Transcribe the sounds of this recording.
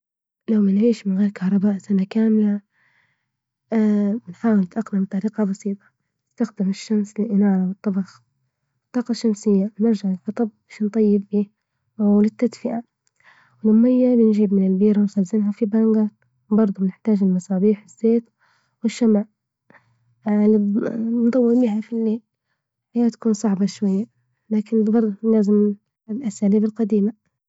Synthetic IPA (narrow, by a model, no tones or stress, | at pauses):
lawmanʕiːʃmɪnɣeːɾkɑhɾˤɑbaːʔsanakaːmla | nħaːwɪlɪt̪ʔaqnamt̪ˤːɑɾiːqɑbɑsiːt̪ˤɑ̥ | nɪst̪axd̪ɪmɪʃːamslɪʔɪnɑːɾˤɑwɨt̪ˤːɑbɑx | t̪ˤːɑːqɑʃːamsɪjːawnɪɾʒaʕɪlfɑt̪ˤɑb̚aʃant̪ˤːɑjːɪbːiː | wlɪt̪ːad̪fɪʔa | wɪlʊmːajːabɪnʒiːbmɪnɪlbiːɾawɪnxalzɪnɦafibaŋɡa | bɑɾˤd̪ˤubɪnɪħt̪aːd͡ʒɪlmɑsˤɑːbiːħɪz̥ːeːt̪ | wɪʃːamaʕ | ʕalibnt̪ˤɑwːɪɾbiːɦafilːeːl | hɪjːat̪ḁkuːnsˤɑʕbɑʃwajːa | laːkɪnbɑɾˤd̪ˤlaːzɪm | lʔasaːliːbɪlqɑd̪iːma